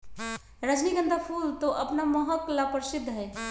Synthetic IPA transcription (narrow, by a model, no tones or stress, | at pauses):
ɾəd͡ʒniɡənd̪ʱapʰult̪oʔəpnaməɦəklapəɾsɪd̪ʱːɦɛ